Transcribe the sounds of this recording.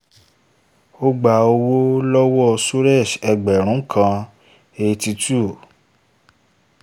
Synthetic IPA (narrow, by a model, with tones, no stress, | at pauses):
o˦ɡ͡ba˨o˧wo˦lɔ˦wɔ˦˨su˦ɾɛ˦˨ʃɛ˧ɡ͡bɛ˨ɾ̃ũ˨˦kʰã˧ | e˧ti˧tu˦˨